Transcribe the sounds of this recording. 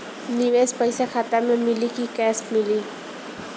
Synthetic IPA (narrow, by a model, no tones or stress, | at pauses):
nɪwespajsaxat̪amamɪlɪkikasmɪli